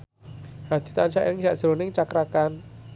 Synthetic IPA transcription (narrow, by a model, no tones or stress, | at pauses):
had̪̥i̤t̪ant͡ʃa̰ʔjaŋʃaʔʒ̥ɾonɪŋt͡ʃakɾakan